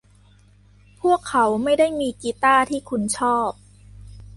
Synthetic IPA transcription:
pʰu˥˩əkʰːa˩˦wma˥˩jda˥˩jmiː˧kiː˧t̪aː˥˩t̪ʰiː˥˩kʰu˧nt͡ɕʰɔː˥˩p̚

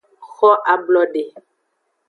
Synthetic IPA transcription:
xɔ˦ʔa˨blɔ˨ɖe˨

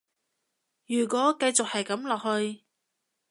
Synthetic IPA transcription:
jyː˨˩kwɔː˨˥kɐ˧jt͡sʊ˨k̚hɐ˨jkɐ˨˥mlɔː˨k̚hɵ˧ɥ

